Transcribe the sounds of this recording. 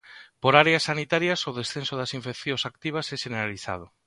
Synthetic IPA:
poɾaɾeasːanit̪aɾjasoðesθensoðasiɱfekθjõsak̚t̪iβ̞asɛʃeneɾaliθa̰ð̞ʊ

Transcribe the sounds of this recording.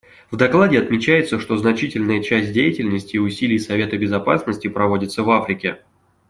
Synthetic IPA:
vd̪ɐklˠadʲɪɐt̪mʲɪt͡ɕæjɪt̪səʂt̪o̞znɐt͡ɕitʲɪlʲnəjət͡ɕæsʲt̚ʲdʲejɪtʲɪlʲnəsʲtʲɪːʊsʲilʲɪjsɐvʲe̞t̪əbʲɪzɐpasnəsʲtʲɪpɾɐvo̞dʲɪt̪səvafɾʲɪkʲɪ

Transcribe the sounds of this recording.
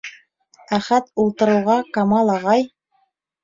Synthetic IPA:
æχæt̪ulˠt̪ɤ̆ɾɤ̆wʁɑkɑmɑlˠɑʁɑj

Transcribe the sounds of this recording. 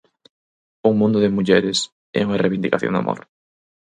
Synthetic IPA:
uŋmũnd̪ʊðɪmuʎɛɾɪs | ɛ̰uŋɐreβind̪ikaθjo̰ŋd̪a̰mʔo̰ɾ

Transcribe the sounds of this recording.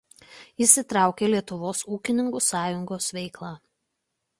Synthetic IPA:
isʲɪt̪ɾɑˑʊkʲeːlʲiɛt̪ʊʋoːsuːkʲɪnʲɪŋkuːsɑːjʊŋɡoːsʋʲɛɪklˠɑː

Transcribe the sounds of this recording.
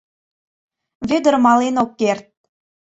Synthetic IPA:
vʲed̪ə̆rmɑlenokːert̪̚

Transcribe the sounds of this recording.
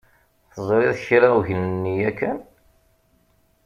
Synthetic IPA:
θəzˤɾiðçɾawʝnnːijækːæn

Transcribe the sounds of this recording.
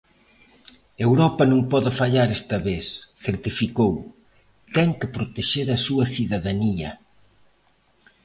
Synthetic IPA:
ewɾɔpɐnũŋpɔðɪfaʎaɾɛst̪ɐβesθeɾt̪ifikow | t̪ɛŋkɪpɾot̪eʃeɾɐsuɐθiðɐðaniɐ

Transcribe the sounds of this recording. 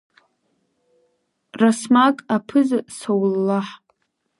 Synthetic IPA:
rasmakʼapʰɨzsawlːaħ

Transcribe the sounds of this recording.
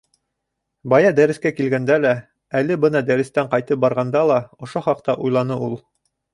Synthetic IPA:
bɑjɑd̪æɾɘ̆skækilɡænd̪ælæ | ælɘbɤnɑd̪æɾɘ̆st̪æɴqɑjt̪ɤp̚bɑɾʁɑnd̪ɑlˠɑŏʃoχɑq̚t̪ɑʔujlˠɑnɤulˠ

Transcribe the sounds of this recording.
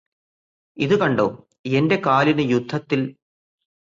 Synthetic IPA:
iðɨkɐɳɖoː | ende̞kaːlinɨjud̪ʱːɐt̪ːil

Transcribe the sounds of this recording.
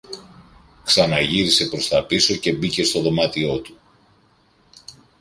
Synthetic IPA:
ksɐnɐʝiɾise̞pɾo̞st̪ɐpiso̞ce̞bice̞st̪o̞ðo̞mɐt̪io̞t̪u

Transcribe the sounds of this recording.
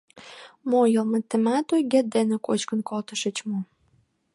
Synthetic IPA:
mojəlmət̪ːemæt̪ojɡet̪̚d̪enekot͡ɕkənkolt̪əʃə̆t͡ɕmo

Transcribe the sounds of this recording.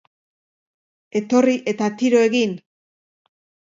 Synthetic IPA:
e̞t̪o̞riʔe̞t̪at̪iɾo̞e̞ɣin

